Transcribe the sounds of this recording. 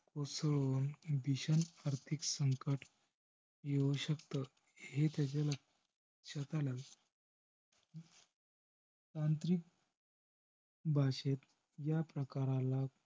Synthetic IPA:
kosɭonbiɕənaɾt̪ʰiksəŋkəʈʰ | jeuɕəkt̪ə | ɦet̪jat͡ɕalək | ɕət̪alaɡ | t̪ant̪ɾik̚ | bʱaɕet̪̚ | japɾəkaɾãla

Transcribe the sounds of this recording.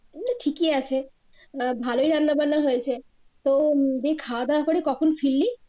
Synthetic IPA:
naʈʰikiat͡ɕʰe | bʱaloijɾanːabanːaɦojet͡ɕʰe | t̪od̪ekʰad̪akoɾikɔkʰonfilːi

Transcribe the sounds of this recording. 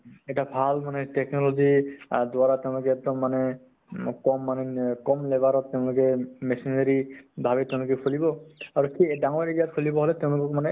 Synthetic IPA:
ɛʈabʱalmaneʈɛknɔlozid̪waɹat̪eʊ̃lʊk̬ɛɛk̚d̪ɔmːane | kɔmːanekɔmlebaɾɔt̪̚ːeʊ̃lʊkɛmesind͡ʒeɾibʱabɛt̪ɛʊ̃lʊkɛkʰolibɔaɹukʰidaŋɔitijat̪kʰolibɔɦolet̪eʊ̃lʊkɔkmane

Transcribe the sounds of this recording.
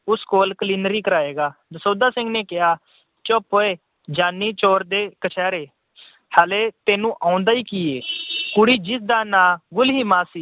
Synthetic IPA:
ʊskoːlkəliːnəɾiːkəɾaːeːɡaːd̪əsoːd̪aːsɪ̃ŋɡneːkɪɦaː | t͡ʃoːpoːeː | d͡ʒaːnːiːt͡ʃoːɾd̪eːkət͡ʃʰɛːɾeː | hɛːleːt̪eːnũːʔaːʊ̃nd̪aːiːkieːkʊɽiːd͡ʒɪsd̪aːnãːɡʊlɦiːmaːsiː

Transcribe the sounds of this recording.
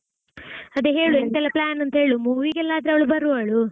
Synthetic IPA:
ɐd̪eɦe̞ːɭuent̪ɛlːɐplaːnɐnt̪ɐɦe̞ːɭumuːʋiːɡɛlːaːd̪ɾeɐʋɐɭubɐɾuaːɭu

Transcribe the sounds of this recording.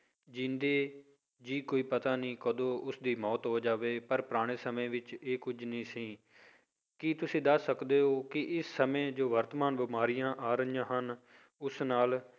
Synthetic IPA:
d͡ʒɪ̃nd̪eː | d͡ʒiːkoːiːpət̪aːnĩːkəd̪õːʔʊsd̪iːmɔːt̪ɦoːd͡ʒaːʋeːpəɾpɾaːɽ̃eːsəmẽːʋɪt͡ʃeːkʊd͡ʒnĩːsĩː | kɪt̪ʊsĩːd̪əsːəkd̪eːɦoːkɪʔɪsːəmẽːd͡ʒoːʋəɾt̪maːnbɪmaːɾɪjãːʔaːɾəijãːɦən | ʊsnaːl

